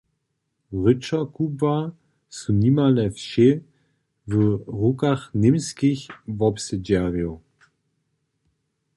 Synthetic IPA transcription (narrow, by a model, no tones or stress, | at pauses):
ʁʏt͡ʃɐkʰubva | sunimalɛfʃe | vəʁukaχnɪmskɪçvɔpsed͡ʒɛʁjo